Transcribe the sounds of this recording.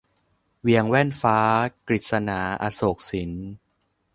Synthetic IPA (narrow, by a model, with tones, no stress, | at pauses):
wi˧əŋwɛ˥˩nfaː˦˥kɾi˨˩t̪̚sa˧naː˩˦ʔa̰˧˩soː˨˩k̚si˩˦n